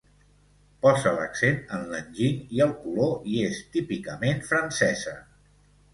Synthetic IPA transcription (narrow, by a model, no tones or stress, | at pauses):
pɔzələ̰ksenənlənʲʒiŋiəlˠkuloiest̪ipikəmenfɾənsɛzə